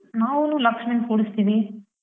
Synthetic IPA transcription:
naːʋunuːlɐkʂmenkoːɽist̪iːʋi

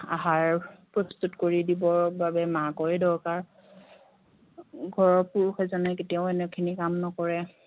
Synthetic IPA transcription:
a̰ɦaɹpɹɔsstutkoɹidibɔɹbabɛmakɔɹidɔɹkaɹ | ɡʱɔɹɔɹpuɹxɛzɔnaketiaʊɛnɛkʰinikamnɔkɔɹɛ

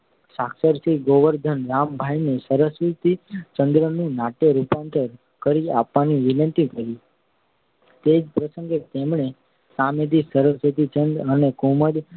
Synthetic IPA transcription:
sakʰsəɾsiɡoʋəɾd̪ʱənɾambʱajnesəɾəsʋit̪it͡ʃənd̪ɾənũnaʈeɾupãnt̪əɾ | kəɾia̰pʋaniʋɪnənt̪ikəɾi | t̪ed͡ʒpɾəsəŋɡet̪emɳe | samẽd̪isəɾəsət̪it͡ʃənd̪ənekuməd̪

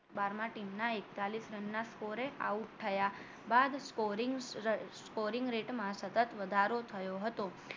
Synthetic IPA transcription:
baɾmãʈimnaek̚t̪alisɾənːaskoɾeʔauʈʈ̪ʰːəja | bad̪skoɾiŋɡskoɾiŋɡɾeʈmãsət̪ət̪ʋəd̪ʱaɾot̪ʰəjoɦət̪o

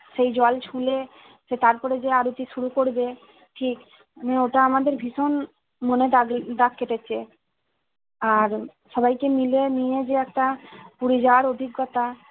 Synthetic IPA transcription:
ʃejd͡ʑɔalt͡ɕʰule | set̪aɾpɔɾed͡ʑeaɾut̪iʃuɾukoɾbe | ʈʰik | neoʈaamad̪eɾbʱiʃon | moned̪ad̪akːeʈet͡ɕʰe | aɾ | ʃɔbajkemilenijed͡ʑeɛkʈapuɾid͡ʑaɾod̪ʱiɡːɔt̪a

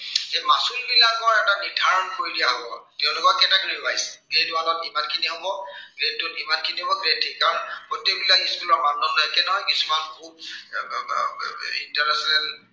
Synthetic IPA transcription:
xejmasulbilakɔɛtanidʱaɹɔnkoɹidijaɦɔbɔ̰tɛʊ̃lʊɡɔkɛtakɹibajsejdualɔtimankʰiniɦɔbɔɡɹed̚tːʊtimankʰiniɦobɔɡɹed̚tʰikːaɹɔnkotebilaiskulɔɹmanːɔnajkɛnɔɦɔjkisumanboɦub̚ | ḭntɔnɛsɔnɛl

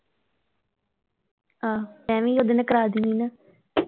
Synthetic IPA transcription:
aːmɛ̃ːʋĩːoːd̪eːnə̃kəɾaːd̪iːniːnaː

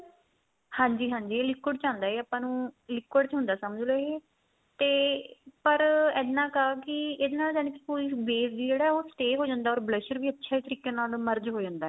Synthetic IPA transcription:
hãːɲd͡ʒiːɦãːɲd͡ʒiːeːlɪkːəɖt͡ʃãːnd̪aːeːaːpãːnũːlɪkːəɽt͡ʃɦʊ̃nd̪aːsəməd͡ʒloːeɦeː | t̪eːpəɾɛːd̪nãːkaːkɪeːd̪eːnaːld͡ʒaːnẽkɪ̥koːiːbeːsd̪iːd͡ʒeːɽaːɦɛoːsʈeːɦoːd͡ʒãːnd̪aːɔːɾblɛːʃəɾbiːətːʃʰaːeːt̪əɾiːkeːnaːlməɾd͡ʒɦoːd͡ʒãːnd̪aːɛː

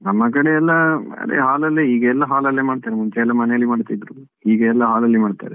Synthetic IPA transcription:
nɐmːɐk̬ɐɽeɛlːɐɐ̰lḛɦaːlɐlːeiːɡɛlːɐɦaːlɐlːeːmaːɽt̪aːɾemunt͡ʃɛɛlːɐmɐnɛjɐlːimaːɽt̪id̪ɾu | iːɡeɛlːɐɦaːlɐlːimaːɽt̪a̰ːɾɛ

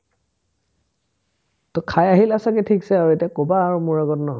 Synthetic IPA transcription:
tɔkʰajaɦilasakɛtʰiksɛaɹuetijakobaːɹumʊɹaɡɔtnɔɦ

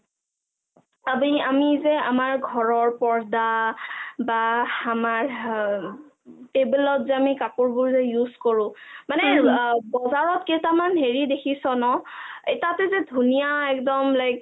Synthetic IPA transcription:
amiamizɛamaɹɡʱɔɹɔɹpɔɹda | baːmaɹ | tebɛlɔtzɛamikapʊɹbʊɹzɛjuzkoɹʊ̃manɛbɔzaɹɔtketamanɦeɹidekʰisɔnɔtatɛzɛdʱunijaɛkdɔmlajk̚

